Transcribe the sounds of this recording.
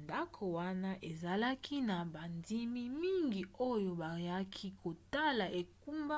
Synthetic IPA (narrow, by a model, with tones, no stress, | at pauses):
nda˦kʰo˨wa˦na˦ʔe˨za˨la˦kʰi˦na˨ba˨ndi˦mi˦mi˦ŋɡi˨o˦jo˨ba˨ja˦kʰi˦kʰo˨ta˦la˨ʔe˨ku˦mba˦